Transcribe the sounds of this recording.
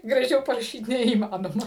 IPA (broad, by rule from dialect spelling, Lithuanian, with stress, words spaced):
ɡrɐˈʒʲɛʊ pɐrɐˈʃʲiːt nʲɛiːˈmɑːnoːmɐ